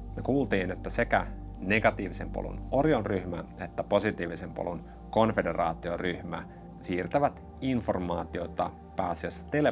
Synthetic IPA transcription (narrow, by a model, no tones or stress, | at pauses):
mekuːlt̪iːne̞t̪ːæse̞kæne̞ɡ̥ɑt̪iːʋise̞mpo̰lṵno̞rjonryçmæ̰e̞t̪ːæpo̞sit̪iːʋise̞mpo̰lun | ko̞nfede̞rɑːt̪ioryçmæ̰ | siːrt̪æʋæt̪ | info̞rmɑːt̪io̞t̪ɑ | pæːsiesːæ̥t̪ele